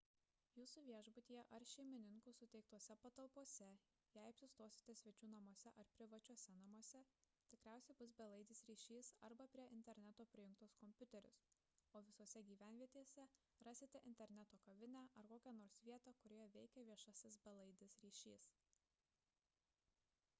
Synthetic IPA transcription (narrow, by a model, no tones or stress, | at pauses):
juːsuʋʲiɛʒbʊt̪ʲiːjɛʔɐɾʃʲɛɪmʲɪnʲɪŋkusʊt̪ʲɛɪk̚t̪uɔsʲɛpɐt̪ɐlˠpoɔsʲɛ | jæɪɐpʲsʲɪst̪oːsʲɪ̥t̪ʲɛsʲʋʲɛt͡ʃʲuːnɐmoɔsʲɛʔɐɾpʲɾʲɪʋɐt͡ʃʲuɔsʲɛnɐmuɔsʲɛ | t̪ʲɪkɾʲæˑʊsʲɛɪbʊs̬bʲɛlˠɐɪd̪ʲɪsɾʲiːʃʲiːsɐ̰ɾbɐpʲɾʲiɛʔɪnʲt̪ʲɛɾʲnʲɛt̪oːpʲɾʲɪjɪ̃ŋkt̪ʊskɔmʲpʲʊt̪ʲɛɾʲʊ̰s | oːʋʲɪsoɔsʲɛɡʲiːʋʲæˑnʲʋʲiɛt̪ʲeːsʲɛ | ɾɑːsʲɪt̪ʲɛʔɪ̰nʲt̪ʲɛɾʲnʲɛt̪oːkɐʋʲɪnʲæːʔɐɾkoːkʲænoːɾsʋʲiɛt̪ɑːkʊɾʲeːjɛʋʲɛɪkʲɛʋʲiɛʃɑsʲɪsbʲɛlˠɐɪd̪ʲɪsɾʲiːʃʲiːs